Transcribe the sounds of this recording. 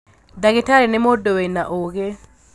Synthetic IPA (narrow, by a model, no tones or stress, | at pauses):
daɡetaɾɛnɛmɔdɔwenaʔoɡe